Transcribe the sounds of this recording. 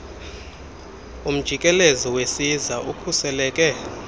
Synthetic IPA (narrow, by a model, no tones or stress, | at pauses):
um̩d̥ʒ̥ʱikʼɛlezɔwesizaʔukʰusɛlɛːkʼɛ